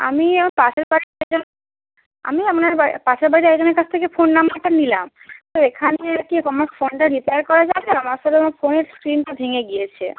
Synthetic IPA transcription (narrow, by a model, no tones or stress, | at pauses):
a̰miɛkʰonpaʃaɾbaɾit̪ɛkd͡ʑon | a̰miɛmoneɾbapat͡ɕʰaɾbaɾit̪eɛkd͡ʑoneɾkat͡ɕʰt̪ʰekefonːamaʈanilam | t̪oekʰaneakikɔmakfonʈaɾipeaɾkɔɾad͡ʑabeamaɾʃɔleamaɾfoneɾskɾinʈabʱeŋeɡijet͡ɕʰḛ